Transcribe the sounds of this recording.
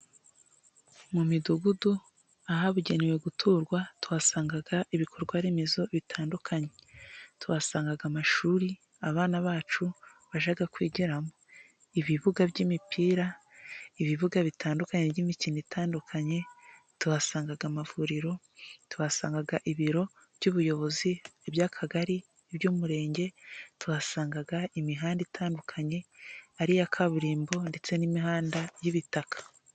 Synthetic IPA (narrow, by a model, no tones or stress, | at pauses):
mumiduɡudu | aɦaβuɟe̞newe̞ɡutʰuːɾɡwatuwasaːŋɡaɡaiβikʰo̞ɾɡwaɾimizo̞βitʰaːndukʰaɲe̞tuβasaːŋɡaɡamaʃuːɾi | aβaːnaβaːt͡ʃuβaʒaɡakwiːɟiɾamo | iβiβuɡabɟiːmipiːɾa | iβiβuɡaβitʰaːndukaɲe̞βɟimicinitʰaːndukʰaɲe̞ | tuβasaːŋɡaɡamavuɾiɾo̞ | tuβasaːŋɡaɡaʔiβiɾo̞ | b̥ɟuːβujo̞βo̞ziebjakʰaɡaɾiː | bjuːmuɾe̞ːɲɟe̞tuβasaːŋɡaɡaimiɦaːnditʰaːndukʰaɲe̞aɾijakʰaβuɾiːmbo̞nde̞t͡se̞nimiɦaːndajiβitakʰḁ